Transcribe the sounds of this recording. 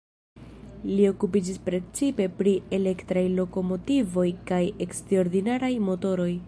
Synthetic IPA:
lio̞kupid͡ʒispɾe̞t͡sipe̞pɾie̞le̞ktɾajlo̞ko̞mo̞tivo̞jkaje̞kstɾeoɾdinaɾajmo̞to̞ɾo̞j

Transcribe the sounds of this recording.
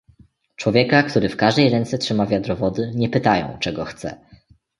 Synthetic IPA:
t͡ʂwɔvʲjɛkakt̪uɾɘfkaʐd̪ɛjɾɛnt̪sɛtʂɘmavʲjad̪ɾɔvɔd̪ɘɲɛpɘt̪ajɔ̰̃w̃t͡ʂɛɡɔxt̪sɛ̰

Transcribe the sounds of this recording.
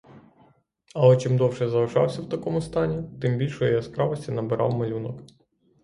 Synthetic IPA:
ɐlˠɛt͡ʃɪmd̪ɔwʃɛzɐlʒɑ̰wsʲɐwt̪ɐkɔmʊst̪ɑnʲit̪ɪmbʲilʲʃɔjɔjɛskɾɑʋɔsʲtʲinɐbɪɾʔɑ̰wmɐlʲunɔk

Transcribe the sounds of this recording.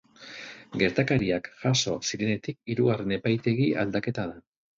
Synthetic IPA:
ɡe̞ɾt̪akaɾiakʝaso̞siɾe̞ne̞t̪ik̚iɾuɣare̞ne̞pajt̪e̞ɣia̰ld̪ake̞t̪að̞a

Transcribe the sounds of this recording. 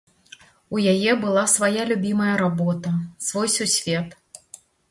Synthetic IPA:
ujajɛbɨlˠasvajalʲubʲimɐjɐɾabɔt̪ɐsvɔjsʲusʲvʲɛt̪

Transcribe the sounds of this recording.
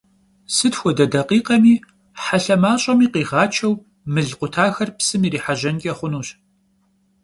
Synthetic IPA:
sɨtxʷɔdɐdɐqiːqɐmiː | ħaɬɐmaːɕʼɐmiːqiːʁaːt͡ʃʰɐw | mɨɮqʷʊtʰaːxɐrpsɨmiːɾiːħaʒɐnkʲʼɛχʷʊnuːɕ

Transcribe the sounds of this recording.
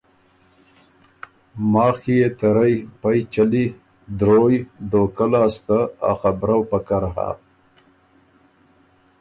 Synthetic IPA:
mɑːxijet̪aɾajpajt͡ʃali | d̪ɾojd̪okalaːst̪aa̰xabɾawpakaɾɦa̰

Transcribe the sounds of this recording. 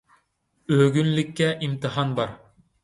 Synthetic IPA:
øɡʲynlɪkʲːæʔimt̪ɨɦɑnbɑɾ

